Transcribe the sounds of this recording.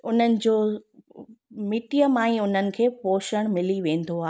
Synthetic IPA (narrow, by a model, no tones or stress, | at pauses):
ʊn̤ənɪ̆d͡ʑoː | mɪʈijəmãːĩʊn̤ənɪ̆kʰeːpoːʃəɽ̃mɪliʋẽːn̆d̪oaːɦ